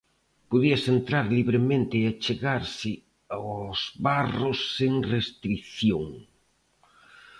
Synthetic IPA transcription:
poðiɐsent̪ɾaɾliβɾemẽnt̪ɪat͡ʃeɣaɾsɪ | azβarosːeŋrest̪ɾiθjoŋ

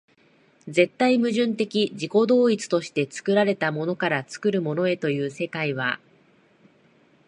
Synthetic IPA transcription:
d͡ze̞t̪ːaimɯ̟ʑɨ̃nt̪e̞kʲiʑiko̞d̪o̞ːit͡sɨ̥t̪o̞ɕi̥t̪e̞t͡sɨ̥kɯ̟ɾaɾe̞t̪amo̞no̞kaɾat͡sɨ̥kɯ̟ɾɯ̟mo̞no̞e̞t̪o̞jɯ̟ːse̞kaiβ̞a̰

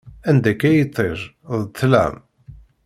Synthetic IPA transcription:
ænd̪ækːæjt̪ˤːeɾˤ | ðˤt̪ːlæ̰m

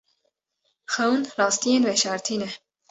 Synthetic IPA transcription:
xɛwnrɑːst̪ijeːnvɛʃɑɾt̪ʰiːnɛ

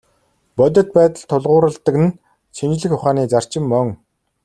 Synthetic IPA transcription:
pɔt̪̬ʲɞ̆t̪̚pæːt̪ə̆ɮt̪ʰʊɮʁʊːɾə̆ɮt̪ə̆kɘ̆n | t͡ɕʰint͡ɕ̆ɮɘ̆xʊχaːniːt͡sar̥t͡ɕɪ̆mːœŋ

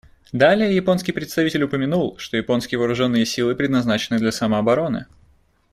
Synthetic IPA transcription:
d̪alʲɪjəjɪpo̞nskʲijpɾʲɪt̪st̪ɐvʲitʲɪlʲʊpəmʲɪnulˠʂt̪o̞jɪpo̞nskʲɪjəvəːɾʊʐo̞nːɨjəsʲilˠɨpɾʲɪd̪nɐznat͡ɕɪnːɨd̪lʲɐsɐməɐbɐɾo̞nɨ̰

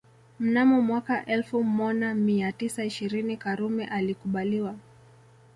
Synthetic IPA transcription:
m̩namɔmwakaʔɛlfumɔʄamiatisaiʃiɾinikaɾumɛʔalikuɓaliwa

